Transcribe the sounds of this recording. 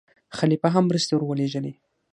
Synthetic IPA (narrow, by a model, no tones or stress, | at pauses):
xalipaɦamːɾəst̪ewɾwəleʒəli